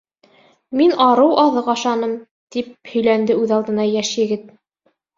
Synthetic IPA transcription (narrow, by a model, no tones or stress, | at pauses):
minʔɑɾɤwɑðɤqɑʃɑnɤm | t̪iphɵ̆jlænd̪ɘʉðɑlˠd̪ɤ̆nɑjæʃjɘ̆ɡɘt̪̚